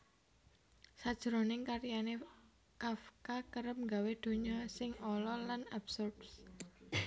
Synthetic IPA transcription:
sad̥ʒ̥ɾonɪŋkaɾijane | kafkakəɾəmŋɡa̤wed̪̥o̤ɲasɪŋɔlɔlanabsɔrps

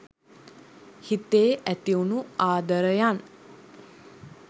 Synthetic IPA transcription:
hit̪eːʔæt̪iunuaːd̪əɾəjan

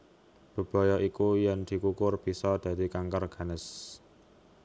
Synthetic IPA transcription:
b̥ə̤b̥ɔ̤jɔʔikujɛnd̪̥i̤kukʊrb̥i̤sɔd̪̥ä̤d̪̥i̤kaŋkərɡ̥ä̤nəs

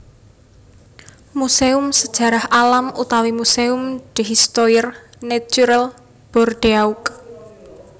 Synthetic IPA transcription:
museʊmsəd̥ʒ̥ä̤ɾahalamut̪awimuseʊmd̥iɦist̪ojərnɛt͡ʃuɾəl | b̥ɔrɖ̥eauk

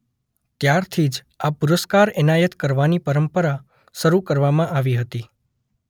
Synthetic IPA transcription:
t̪jaɾt̪ʰid͡ʒ | apʊɾəskaɾɛnajət̪kəɾʋanipəɾəmpəɾa | ʃəɾukəɾʋamãʔaʋiɦət̪i

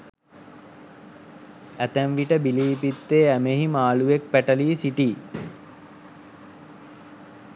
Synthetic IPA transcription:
æt̪æmʋiʈəbiliːpit̪ːeːæmeɦimaːluek̚pæʈəliːsiʈiː

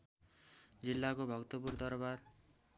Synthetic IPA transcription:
d͡zilːakobʱʌkt̪opurd̪ʌɾbar

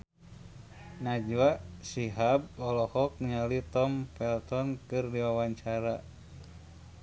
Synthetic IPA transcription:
nad͡ʒuwasiɦab̚ɔlɔhɔk̚niŋalit̪ɔmpɛlt̪ɔnkɨrdiwawaɲt͡ʃaɾa

